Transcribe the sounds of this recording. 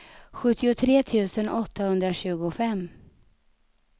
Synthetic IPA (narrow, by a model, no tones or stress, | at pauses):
ɧɵt̪ːɪʊt̪ʰɾeːt̪ʰʉ̟ːsənʔɔt̪ʰːahɵnd̪ɾaɕʉ̟ːɡʊfɛmː